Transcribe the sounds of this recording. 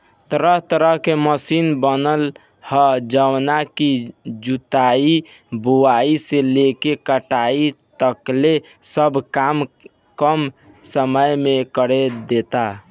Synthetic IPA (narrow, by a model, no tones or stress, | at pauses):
t̪əɾəɦt̪əɾəɦkeməsinbənəl | həd͡ʒəwnakid͡ʒut̪ai | buwaiselekekəʈait̪əkle | səbʱkam | kəm | səməjmekəɾed̪et̪a